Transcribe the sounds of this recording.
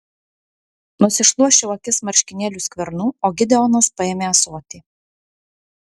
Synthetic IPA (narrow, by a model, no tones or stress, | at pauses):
nʊsʲɪʃlˠuɔʃʲɛʊɐkʲɪsmɐɾʲʃʲkʲɪnʲeːlʲuːsʲkʲʋʲɛɾnuːoːɡʲɪd̪ʲɛɔnɐspɐeːmʲeɐsuɔt̪ʲiː